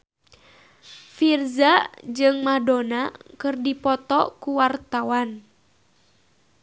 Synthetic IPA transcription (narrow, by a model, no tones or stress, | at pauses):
firzad͡ʒɨŋmadonakɨrdipɔt̪ɔkuwart̪awan